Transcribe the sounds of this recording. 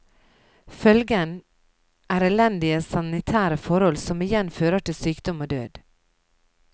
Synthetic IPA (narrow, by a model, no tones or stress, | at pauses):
fœlɡən | ʔæːɾɛlɛnd̪ɪəsɑnɪt̪ʰæːɾəfɔɾhɔlsɔmɪjɛnføːɾəʈɪlsyːkd̪ɔmoːd̪ø̰ːd̪̥